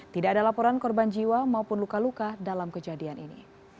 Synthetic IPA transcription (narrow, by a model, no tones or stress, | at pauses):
t̪idaːdalapɔɾankɔrband͡ʒiwamaupʊnlukalukadalamkəd͡ʒadianinḭ